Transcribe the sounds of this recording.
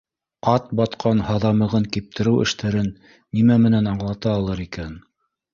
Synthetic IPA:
ɑt̪̚bɑt̪qʰɑnhɑðɑmɤ̆ʁɤŋkip̚t̪ʰɘ̆ɾɘwʔɘ̰̆ʃt̪æɾɘnː | imæmɘ̆nænɑɴlˠɑt̪ɑːlˠɤɾikæn

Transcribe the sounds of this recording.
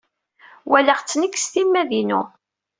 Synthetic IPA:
wæləʁt͡sːnəkːsθimːæðinṵ

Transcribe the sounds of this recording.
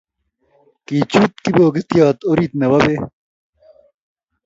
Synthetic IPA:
kiːt͡ɕuːt̪̚kiboːɡit̪ijaːt̪oːɾiːt̪̚nɐbɐbe

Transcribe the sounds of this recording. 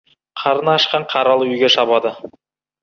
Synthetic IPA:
qʰɑɾənɑːʃqɑɴqʰɑɾɑlˠəʏjɡʲe̞ʃɑβɑd̪ə

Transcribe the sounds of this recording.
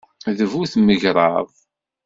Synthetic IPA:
ðəvuθməʝɾˤɑ̰ðˤ

